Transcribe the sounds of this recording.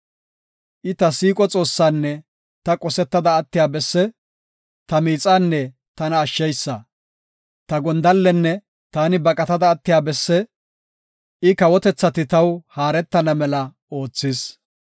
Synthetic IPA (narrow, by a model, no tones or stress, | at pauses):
ʔɪt̪ɐsiːkʼɔt͡sʼo̞ːsːaːnːɛ | t̪ɐkʼɔsɛt̪ːɐd̪ɐːt̪ːɪjaːbɛsːɛ | t̪ɐmiːt͡sʼaːnːɛ | t̪ɐnɐːʃːɛjsːɐ | t̪ɐɡɔnd̪ɐlːɛnːɛ | t̪aːnɪbɐkʼɐt̪ɐd̪ɐːt̪ːɪjaːbɛsːɛ | ʔɪkɐwɔt̪ɛt͡sːɐt̪ɪt̪ɐwhaːɾɛt̪ːɐnɐmɛlɐ | o̞ːt͡sːɪs